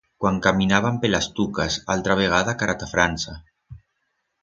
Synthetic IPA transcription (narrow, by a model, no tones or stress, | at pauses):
kwaŋkaminaβ̞ampelast̪ukasa̰lt̪ɾaβ̞eɣ̞aðakaɾat̪afɾansa